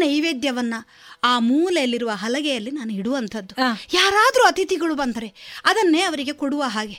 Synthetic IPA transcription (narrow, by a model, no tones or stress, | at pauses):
nɐjʋeːd̪jɐʋɐnːɐ | aːmuːlɛjɐlːiɾuʋɐɦɐlɐɡɛjɐlːinaːnuiɽuʋɐnt̪ʰɐd̪ːujaːɾaːd̪ɐɾuɐt̪it̪iɡɐɭubɐnd̪ɐɾeɐd̪ɐnːe̞ːɐʋɐɾiɡe̞koɽuʋɐɦaːɡe̞